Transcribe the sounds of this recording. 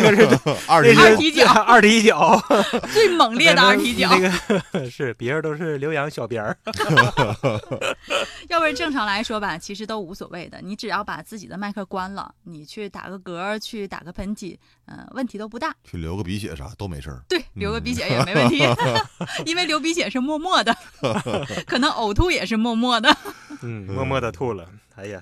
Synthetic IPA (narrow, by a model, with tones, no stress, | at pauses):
ɡə˩˧ə˥˩e˥˩˥i˧˥t͡ɕjɐ˥˩ʈ͡ʂi˧˥i˥t͡ɕjɑ˨˩˦ʊt͡swe˥˩ɪmɤ˨˩ŋljɛ˥˩˧də˦ə˥˩t̪ʰi˧˥t͡ɕjɑ˨˧˩a˦˥˩ɡə˩ʂɻ̩˥˩pjɛ˧˥ə˧t̪o˥ʊʂɻ̩˥˩ljo˧˥ʊjɑ˧˥ŋɕjɑ˨˩ʊpjə˧˥ | jɑ˥˧ʊwʈ͡ʂɤ˥˩ŋʈ͡ʂʰɑ˧˥ŋla˧˥ɪʂwɔ˥bɐ˨t͡ɕʰi˧˥ʂɻ̩˧˥t̪o˥ʊu˧˥swɔ̰˨˩we˥˩ɪd̪ə̰˩ni˧˥ʈ͡ʂɻ̩˨˩jɑ˥˩ʊpa̰˨˩t͡sɹ̩˥˩t͡ɕḭ˨˩d̪ə˦ma˥˧kʰɤ˥˩kwa˥nlə̰˨ni˨˩t͡ɕʰy˥˩t̪a̰˨˩ɡə˧˦kɤ˧˥˧t͡ɕʰy˥˩t̪a̰˨˩ɡə˧˦pʰə˧˥nt̪ʰḭ˨˩˦ | ə̰˧wə˥˩nt̪ʰi˧˥o˥ʊpu˧t̪a˥˩t͡ɕʰy˥˩ljo̰˧˥ʊɡə˧pi˧˥ɕjɛ̰˨˩ʂa̰˧˩t̪o˥ʊme˧˥ɪʂə̰˥˩t̪we˥˩ɪljo˧˥ʊɡə˧pi˧˥ɕ̬jɛ˨˧˥jɛ˨˩me˧˥ə˨˥˨ni˧˥˩i˥nwe˥˩ɪljo˧˥ʊp̬i˧˥ɕ̬jɛ˨˩ʂɻ̩˥˧mwɔ˥˧mwɔ˥˩d̪ə˩ | kʰɤ˨˩nɤ˧˥ŋʔo˨˩ʊt̪ʰu˥jɛ˨˩ʂɻ̩˥˧mwɔ˥˧mwɔ˥˩d̪ə˩n̩˥˩mwɔ˥˧mwɔ˥˧d̪ə˨˧t̪ʰu˥˩lə̰˩ | a˧˥ɪja˨˩